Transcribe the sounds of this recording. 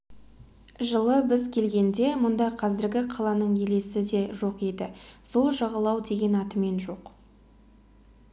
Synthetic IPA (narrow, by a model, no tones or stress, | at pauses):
ʒəlˠəbɪzkʲʰe̞lɡʲe̞nd̪e̞mʊnd̪ɑqʰɑzɪɾɡʲɪqʰɑlˠɑnəɴje̞le̞sɪd̪e̞ʒo̞qed̪ɪso̞lˠʒɑʁɑlˠɑwd̪e̞ɡʲe̞nɑt̪əme̞nʒo̞q